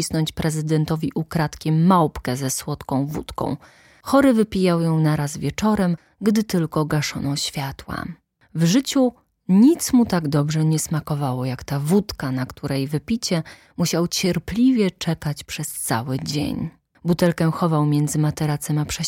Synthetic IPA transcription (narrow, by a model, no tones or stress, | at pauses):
isnɔɲt͡ɕpɾɛzɘd̪ɛnt̪ɔvʲiʔukɾat̪kʲɛmːawpkɛzɛswɔt̪kɔ̃w̃vṵt̪kɔ̰̃w̃ | xɔɾɘvɘpʲijawjɔ̃w̃naɾazvʲjɛt͡ʂɔɾɛm | ɡd̪ɘt̪ɘlkɔɡaʂɔ̰nɔɕfʲjat̪wa̰ | vʐɘt͡ɕu | ɲit̪smut̪aɡd̪ɔbʐɛɲɛsmakɔvawɔjakt̪avut̪kanakt̪ʰuɾʔɛjvɘpʲit͡ɕɛ | muɕawt͡ɕɛɾplʲivʲjɛt͡ʂɛkat͡ɕpʂɛst̪sa̰wɘd͡ʑḛɲ | but̪ɛlkɛxɔvawmʲjɛnd̪zɘmat̪ɛɾat̪sɛmapʂɛ